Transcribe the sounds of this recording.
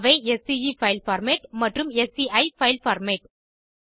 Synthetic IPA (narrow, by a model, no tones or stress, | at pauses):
ʋɐɪɛsiifɐɪlfɐɾmeʈmɐʈrɯmɛsiɐɪfɐɪlfɐɾmeʈ̚